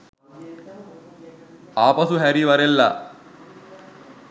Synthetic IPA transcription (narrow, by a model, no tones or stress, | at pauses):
aːpɐsuɦɐɾiʋɐɾelːɐ̰